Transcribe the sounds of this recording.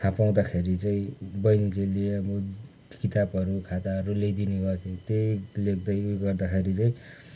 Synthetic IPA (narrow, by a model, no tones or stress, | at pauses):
tʰãpaw̃d̪akʰeɾit͡saĩbʌjnilelijmo | kit̪abʌɾukʰat̪aʌɾuled̪ineɡʌrt̪ʰẽt̪elek̚d̪ʌjuɡʌrd̪akʰeɾit͡saĩ